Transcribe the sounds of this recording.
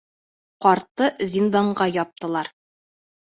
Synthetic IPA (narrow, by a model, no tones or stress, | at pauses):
qɒɾt̪ːɤzʲind̪ɑɴɢɑjɒp̚t̪ɤ̆lˠɑɾ